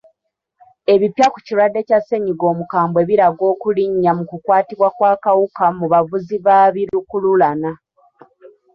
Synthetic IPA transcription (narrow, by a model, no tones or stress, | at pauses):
e̞βipjakuciwadːe̞case̞ɲiɡo̞ːmukaːmbwe̞βiɾaɡo̞ːkuliɲːamukukwaːtiβwakwaːkawukamuβavuziβaβiɾukululana